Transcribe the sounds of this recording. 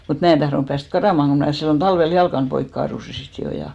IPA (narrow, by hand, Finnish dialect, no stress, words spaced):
mut mæː en tɑhronŭp pæːst kɑrɑˑmɑŋ ko mnæˑ silːon tɑlʋel jɑlkɑn poik kɑːrusi sit jo jɑ